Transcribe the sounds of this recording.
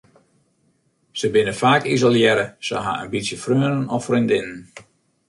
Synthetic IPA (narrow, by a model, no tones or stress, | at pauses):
səbɪnəfaːkizolˠjɛɾəsə̰ɦa̰ə̰nbitsjəfrøːənənɔfrindɪnən